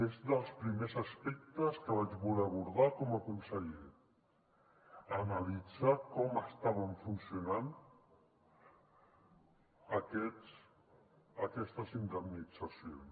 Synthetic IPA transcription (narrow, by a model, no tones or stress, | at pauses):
ezðəlˠspɾimezəspɛk̚t̪əskəβad͡ʒβulɛaβuɾðakɔməkunsəʎe | ənalid͡zakɔməst̪aβəɱfunsijunan | əkɛs | əkɛst̪əzind̪əmnid͡zasions